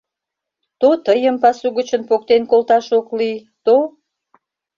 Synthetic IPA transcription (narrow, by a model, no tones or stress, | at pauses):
t̪ot̪əjəmpɑsuɣət͡ɕənpok̚t̪enkolt̪ɑʃokli | t̪o